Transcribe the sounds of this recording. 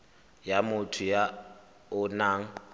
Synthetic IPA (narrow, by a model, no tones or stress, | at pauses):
jamʊtʰʊja | ʊnaːŋ̩